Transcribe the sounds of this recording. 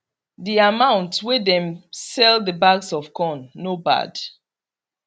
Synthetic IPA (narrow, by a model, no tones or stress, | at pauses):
diamãʊ̃ntswedɛ̃msɛlˠdəbaɡsɔv̥kʰɔ̃nːoba̰d̥